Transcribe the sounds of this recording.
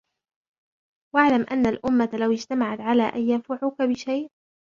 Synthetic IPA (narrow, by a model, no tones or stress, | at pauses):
waʕlamʔa̰nːalʔʊmːat̪lawɪd͡ʒt̪amaʕat̪ʕalaːʔajjanfaʕʊkabɪʃajʔ